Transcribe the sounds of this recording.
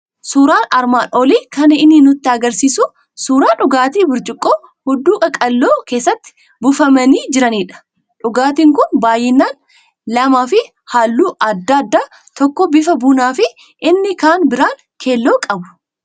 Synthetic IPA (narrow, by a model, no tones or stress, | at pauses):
suːɾaːnɐɾmaːnoːliːkɐnɐɪnːɪnʊt̪ːɪɐɡɐɾsiːsʊ | suːɾaːᶑʊɡaːt̪iːbʊɾd͡ʒɪkʼːoː | hʊd̪ːuːkʼɐkʼɐlːoːke̞ːsːɐt̪ːɪ̥ | bʊfɐmɐniːd͡ʒɪɾɐniːᶑɐ̥ | ᶑʊɡaːt̪iːŋkʊnbaːjɛnːaːn | lɐmaːfɪ | haːlːuːʔɐd̪ːad̪ːaː | t̪ɔkːɔbɪfɐbuːnaːfɪ | ɪnːɪkaːnbɪɾaːŋ | kʰe̞ːlːoːkʼɐbʊ̥